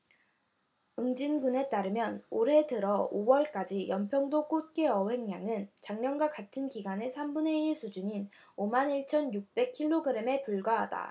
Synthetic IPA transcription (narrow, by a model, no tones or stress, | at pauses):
ɯŋd͡ʑinɡune̞t͈aɾɯmjʌnoɾe̞tɯɾʌowʌɭk͈ad͡ʑijʌmpʰjʌŋdok͈ot̚k͈e̞ʌwe̞ŋɲaŋɯnt͡ɕaŋɲʌnɡwakatʰɯnkiɡanesʰambunɦe̞iɭsʰud͡ʑuɲin | omaniɭt͡ɕʰʌnjuk̚p͈e̞k̚ʰːiɭːoɡɯɾe̞me̞puɭɡaɦada̰